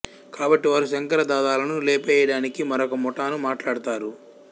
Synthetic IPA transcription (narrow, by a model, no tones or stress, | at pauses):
kaːbɐʈːiʋaːɾusɐŋkɐɾɐd̪aːd̪aːlɐnuleːpɛjɐɽaːnikimɐɾokɐmɔʈaːnumaːʈlaːɽt̪aːɾu